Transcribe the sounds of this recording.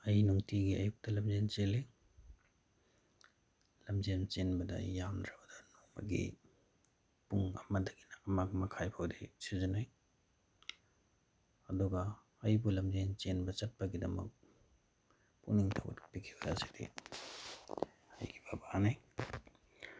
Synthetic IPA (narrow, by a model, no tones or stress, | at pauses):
ɐjnuŋtiɡiɐ̰juk̚tɐlɐmzent͡ʃeli | lɐmzent͡ʃenbɐdɐ̰jamdɾɐbɐdɐnomɐ̰ɡḭ | puŋɐ̰mɐdɐɡinɐːmaɡmɐkʰajpʰawdisizɐnaj | ɐduɡɐː | jbulɐmzent͡ʃenbɐt͡ʃɐt̚pɐɡidɐmɐ̰k̚ | puniŋtʰawɐ̰tpikʰibɐɾa̰si̥dḭ | hɐ̰jɡibabaanaj